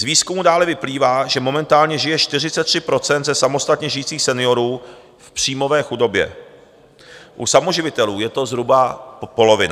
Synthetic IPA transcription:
zviːskumudaːlɛvɪpliːvaːʒɛmo̞mɛnt̪aːlɲɛʒɪjɛʃt̪ɪr̝ɪt͡sɛt̪ːr̝̥ɪpɾo̞t͡sɛnt̪zɛsamo̞st̪at̪ɲɛʒɪjiːt͡siːxsɛnɪo̞ɾuː | fpr̝̥iːmo̞vɛːxudo̞bjɛ̰ | ʔṵsamoʒɪvɪt̪ɛluːjɛt̪o̞zɦɾubapo̞lo̞vɪna

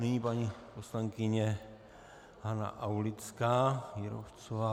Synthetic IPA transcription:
nɪɲipaɲiposlaŋkɪɲɛ | hana̰ʔawlɪt͡skaːjɪɾo̰ft͡sova

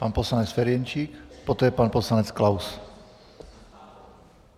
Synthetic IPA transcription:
paːnpɔslaɲɛt͡sfɛɾɪjɛɲt͡ʃikpɔt̪ɛːpaːnpɔslaɲɛt͡sklaws

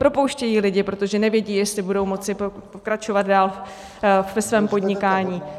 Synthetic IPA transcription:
pɾo̞powʃcɛjiːlɪɟɪpɾo̞t̪o̞ʒɛnɛvjɛɟiːjɛst̪lɪbudo̞wmo̞t͡sɪpopokɾat͡ʃo̞vat̪̚daːl | vɛsvɛːmpo̞dɲɪkaːɲiː

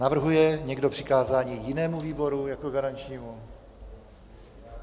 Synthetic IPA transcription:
navr̩ɦujɛɲɛɡdopr̥ɪkaːzaːɲiːjɪnɛːmuviːbo̞ɾujakoɡaɾant͡ʃɲiːmu

